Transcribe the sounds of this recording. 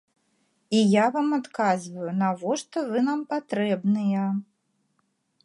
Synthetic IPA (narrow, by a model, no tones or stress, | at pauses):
ijavamat̪kazvɐjunavɔʂt̪ɔvɨnampat̪ɾɛbnɨjɐ